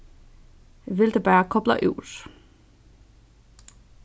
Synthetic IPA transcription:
ʋeld̥eb̥æːɐkʰɒ̽b̥lɐʔøʊ̰s

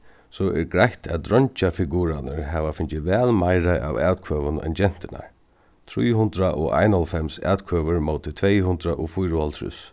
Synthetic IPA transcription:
sɔʔɛɹɡɾajht̪ʰɛt̪ɾɔɲt͡ʃafɪɡuːɾanəɹɦɛːʋafɪnt͡ʃɪʋɛːlmajɾaʔa̰ʋɛːt̪kʰvœːʋʊnɛ̰nt͡ɕɛn̥t̪ɪna̰ɹ | t̪ʰɾujɦʊnt̪ɾaʔɔa̰jnɔlfɛmsɛ̰ːt̪kʰœːʋəɹmoːt̪ʰɪt̪ʰvɛːjɦʊnt̪ɾaʔɔfʊjɾʊalt̪ʰɾʊ̰s

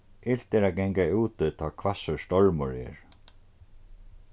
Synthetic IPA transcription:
ɪl̥t̪ɛɾaɡɛŋkauːt̪ɪt̪ʰɔːkʰvasəst̪ɔɹmʊɹɛ̰ːɹ

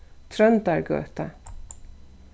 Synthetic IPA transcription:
t̪ʰɾœnt̪aɹɡœ̰ːt̪a̰

